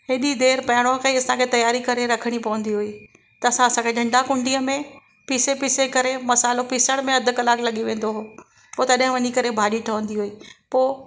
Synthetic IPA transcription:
ɦɪɗid̪eːɾpɐɦɪɽ̃okɐiɐsãkʰet̪ɐjaːɾikɐɾeɾɐkʰəɽ̃ipɐʋə̃nd̪iɦʊiː | t̪ɐːsãɐsãkʰeɗʱɐ̃ɳɖakʊ̃ɳɖiəmẽ | pisepisekɐɾemɐsaːɪlopɪsəɽ̃mẽɐd̪ʱʊkɐlaːklɐɠiʋẽːn̆d̪oɦoː | poːt̪ɐɗɦɪ̃ʋɐɲikɐɾebʱaːɗiʈʰɐʋə̃nd̪iɦuiːpoː

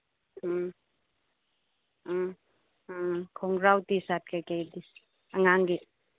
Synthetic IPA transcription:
kʰɔŋɾawtisat̚kajkajdis | aŋaŋɡi

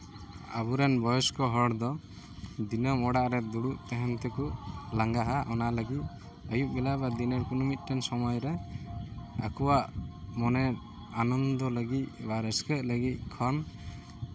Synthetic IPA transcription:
a̰buɾɛnbɔjɔskɔɦɔɽd̪ɔ | d̪inɔmɔɽaʔɾɛd̪uɽuʔt̪ɛɦɛnt̪ɛkuʔlaŋɡaɦaʔɔnaləɡit̪̚ | ɔjuʔ̚bɛlabad̪inɛɾkunumit̪̚ˀʈɛnsɔmɔjɾɛ | a̰kɔwaʔmɔnɛ | anɔnd̪ɔləɡit̪̚baɾɛskəʔ̚ləɡit̪̚kʰɔn

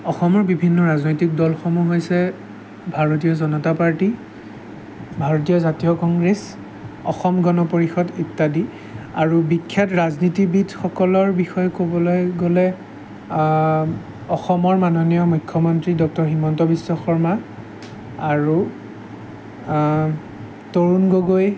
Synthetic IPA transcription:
ɔxɔmɔɹbibʱinːɔɹaznojtik̚dɔlxɔmuɦojsɛ | bʱaɹotijɔzɔnɔtapaɹti | bʱaɹotijɔzatijɔkɔŋɡɹes | ɔxɔmɡɔnɔpoɹixɔditːadi | aɹubikʰːjatɹaznitibidxɔkɔlɔɹbixɔjɔkobɔlojɡolɛ | ɔxɔmɔɹmanɔnijɔmujkʰːɔmɔntɹidɔk̚tɔɹximɔntɔbisːɔxɔɹma | aɹu | toɹunɡoɡoj

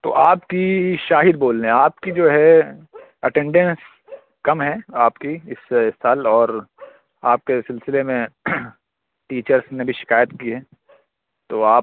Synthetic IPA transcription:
t̪o̰ːʔaːpkiʃaːɦɪd̪boːlːeɦaːpkid͡ʒoːɦɛ | ɐʈẽːɳɖɛ̃ns | kɐmɦɛːaːpkiɪssːaːlɔːɾ | aːp̚kesɪlsɪlemẽ | ʈiːt͡ʃəɾsnebʱiʃɪ̥kaːjət̪kiɦɛː | t̪oːaː

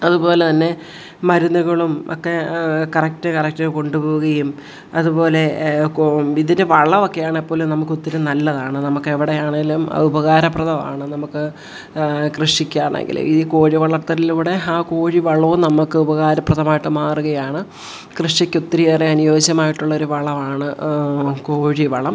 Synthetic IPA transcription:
ɐðubo̞ːle̞t̪ɐnːe̞ | mɐɾunːuɣɐɭumo̰kːe̞kɐrɐk̚tɨkɐrɐk̚tɐko̞ɳɖupo̞ːʋuɣɐjum | ɐðupo̞ːle̞ | iðindɨʋɐɭːɐʋo̞kːe̞jaːɳepːo̞ːlunɐmukːot̪ːiɐɾunɐlːɐðaːɳɨnɐmukːeʋiɽejaːɳeŋɡilum̰ubɐɣaːɾɐpːrɐðɐma̰ːɳɨnɐmukːɨ | krɨʂikʲːaːrɳḛŋɡḭlṵmiðiko̞ːɻiʋɐɭɐrt̪ːɐɾiliʋiɽeaːko̞ːɻiʋɐɭɐnɐmukːɨubɐɣaːɾɐprɐðɐmaːjiʈːɨmaːruɣɐjaːɳɨ | krɨʂikʲːot̪ːɐɾujeːreɐnujo̞ːɕɐmaːjiʈːuɭːɐo̞ɾuʋɐɭɐʋaːɳɨ | ko̞ːɻiʋɐ̰ɭɐm

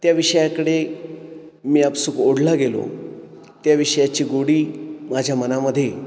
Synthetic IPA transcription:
t̪jaʋiʂəjakəɽe | miːapsukoɽlaɡelo̰ | t̪jaʋiʂəjat͡ɕiːɡoɽiːmad͡ʑʱjamənaməd̪ʱːje

